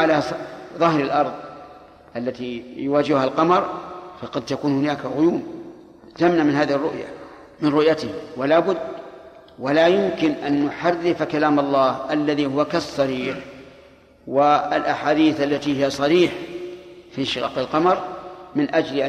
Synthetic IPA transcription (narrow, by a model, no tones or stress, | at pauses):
alaðˤɑhɾɪlʔɑɾˤðˤ | ʔalːat̪ijʊwaːd͡ʒɪhhalqɑmɑɾˤfɑqɑd̪̚t̪akuːnhʊnaːkaɣʊjuːm | zamnamɪnhaːðɪhɪrˤːʊʔja̰ | mɪnɾʊʔjat̪ɪwɪlaːbʊd̪ː | walaːjʊmkɪnʔanːʊħarːɪfkalaːmɑlˤːɑːhʔalːaðihʊwakɑsˤːɑɾiːħ | wɪlʔaħaːd̪iːθʔalːat̪ihɪjasˤɑɾiːħ | finʃɪɣɑ̰ːqɪlqɑmɑɾˤmɪnʔad͡ʒlʔa